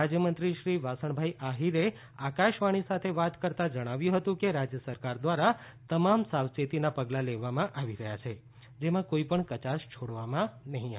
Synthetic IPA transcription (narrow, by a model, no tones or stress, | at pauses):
ad͡ʒjəmənt̪ɾiʃɾiʋasəɳ̃bʱaiʔaɦiɾe | akaʃʋaɽ̃isat̪ʰeʋat̪kəɾt̪ad͡ʒəɽ̃aʋjũɦət̪ũkeɾad͡ʒjəsəɾkaɾd̪ʋaɾa | t̪əmamsaʋset̪inapəɡlaleʋamãʔaʋiɾəɦjat͡ʃʰe | d͡ʒemãkoipəɳkət͡ʃaʃt͡ʃʰoɽʋamãnəɦĩa